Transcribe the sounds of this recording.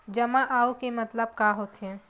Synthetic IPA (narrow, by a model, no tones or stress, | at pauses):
d͡ʒəmãʔaːokemət̪ləb̚kaɦot̪ɦẽ